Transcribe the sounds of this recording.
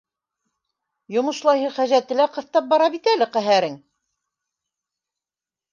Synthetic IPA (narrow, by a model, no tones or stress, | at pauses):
jŏmɤ̆ʃlˠɑjɦɤχæʒæt̪ɘ̆læqɤ̆θt̪ɑp̚bɑɾɑβit̪ælɘqæɦæɾɘŋ